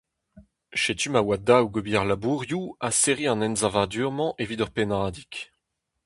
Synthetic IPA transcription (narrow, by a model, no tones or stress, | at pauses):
ʃet̪ymawad̪awɡobiaʁlabuːʁjuaseʁiɑ̃nɛnzavad̪yːʁmɑ̃ʔevid̪œʁpenaːd̪ik